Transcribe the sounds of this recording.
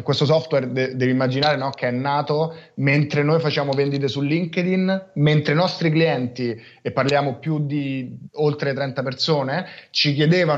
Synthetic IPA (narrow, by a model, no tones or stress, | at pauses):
kwest̪os̬ɔft̪wɛrd̪ɛd̪ɛːvimːad͡ʒinaːɾenɔk̟eɛnːaːt̪oment̪ɾenoːjfat͡ʃaːmovɛnd̪it̪̬esulːiŋked̪inment̪ɾenɔst̪ɾikliɛnt̪i | epːarljaːmopjud̪iolt̪ɾet̪ɾɛnt̪apersoːnet͡ʃik̬jed̪eːva